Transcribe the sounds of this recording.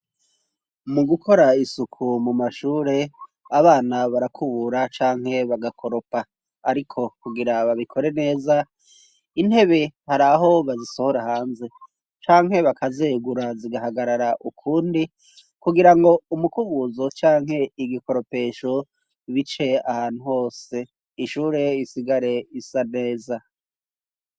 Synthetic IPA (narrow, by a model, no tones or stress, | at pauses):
muɡukʰo̞ɾaisukʰumumaʃuːɾe̞ | aβaːnaβaɾakʰuβuɾat͡ʃaːŋ̥he̞βaɡakʰo̞ɾo̞pa | aɾikʰo̞kuɡiɾaβaβikʰo̞ɾe̞ne̞ːza | in̥he̞βe̞haɾaɦo̞βaziso̞ho̞ɾahaːnze̞ | t͡ʃaːŋ̥ɦe̞βakʰazeːɡuɾaziɡaɦaɡaɾaɾaʔukʰuːndi | kuɡiɾaŋɡo̞umukuβuzo̞t͡ʃaːŋɦhe̞iɡiko̞ɾo̞pe̞ːʃo̞ | βit͡ʃe̞ahaːn̥uho̞ːse̞ | iʃuːɾe̞isiɡaɾe̞isane̞ːza